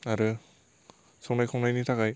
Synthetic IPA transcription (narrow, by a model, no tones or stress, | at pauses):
aɾɯ | sɔŋnajkʰɔŋnajnitʰakaj